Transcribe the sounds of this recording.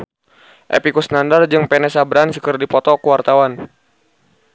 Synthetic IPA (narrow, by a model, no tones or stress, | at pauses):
ʔḛpikusnandard͡ʒɨŋpɛnɛsabɾansəkərdipɔt̪ɔkəwart̪awan